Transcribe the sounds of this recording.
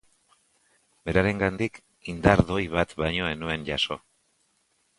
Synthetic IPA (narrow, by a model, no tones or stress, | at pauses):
be̞ɾaɾe̞ŋɡand̪ik | ind̪aɾðo̞jβat̪βajɲo̞e̞nue̞nʝaso̞̰